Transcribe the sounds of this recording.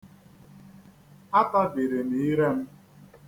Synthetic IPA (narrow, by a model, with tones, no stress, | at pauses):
a˦ta˦bi˨ɾe˨ni˨˦i˦ɾe˦m̩˦